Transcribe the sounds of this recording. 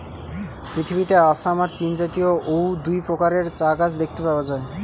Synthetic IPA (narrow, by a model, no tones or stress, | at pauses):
pɾit̪ʰibit̪easamaɾt͡ɕind͡ʑat̪ijoʔowd̪ujpɾokaɾeɾt͡ɕaɡad͡ʑd̪ek̚ʰt̪epaoad͡ʑae